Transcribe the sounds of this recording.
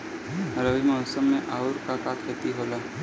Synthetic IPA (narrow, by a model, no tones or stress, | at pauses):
ɾəʋimɔːsəmːẽʔaːʊɾkakakʰet̪iɦoːlaː